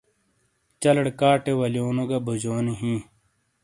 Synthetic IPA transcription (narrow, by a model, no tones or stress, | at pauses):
t͡ɕɐlɐɽkaːʈewɐljoːnoɡɐbud͡ʑoːneɦĩː